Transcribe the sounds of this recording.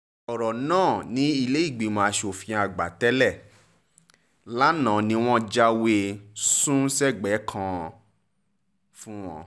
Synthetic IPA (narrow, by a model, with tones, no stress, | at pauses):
ɔ˨ɾɔ˨nãː˦˨nĩ˨˦i˦˧le˦i˦˨ɡ͡bi˨˦mãː˨˦ʃo˨fĩ˧a˧ɡ͡ba˨tɛ˦lɛ˦˨ | la˦nã˨nĩ˦w̃ɔ̃˦d͡ʒa˧we˧sũ˦sɛ˦˨ɡ͡bɛ˨˦kʰã˧ | fũ˦w̃ɔ̰̃˧